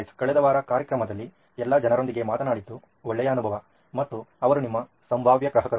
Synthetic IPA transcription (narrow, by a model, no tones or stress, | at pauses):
skɐɭɛd̪ɐʋaːɾɐkaːɾjɐkɾɐmɐd̪ɐlːi | ɛlːɐd͡ʒɐnɐɾond̪iɡe̞maːt̪ɐnaːɽit̪ːu | ɔɭːɛjɐːnubʱɐʋɐ | mɐt̪ːuɐʋɐɾunimːɐ | sɐmbʱaːʋjɐɡɾɐɦɐkɐɾ